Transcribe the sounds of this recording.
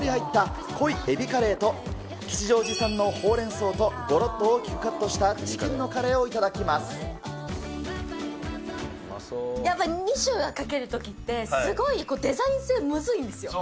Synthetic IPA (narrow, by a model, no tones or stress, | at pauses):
ɾʲihait̪ːa | ko̞ie̞bʲikaɾe̞ːt̪o̞ | kʲi̥t͡ɕiʑo̞ːʑisãnːo̞ho̞ːɾẽ̞ɰ̃so̞ːt̪o̞ɡo̞ɾo̞t̪ːooːkʲi̥kɯ̟̥kːat̪ːo̞ɕi̥t̪at͡ɕi̥kʲĩnːo̞kaɾe̞ːo̞it̪ad̪akʲimasɨ̥ | japːaiɲ̟iɕɨːɡakake̞ɾɯ̟t̪o̞kʲit̪ːe̞sɨɡo̞iko̞ːd̪e̞zaĩɰ̃se̞ːmɯ̟zɨĩnd̪e̞sɨjo̞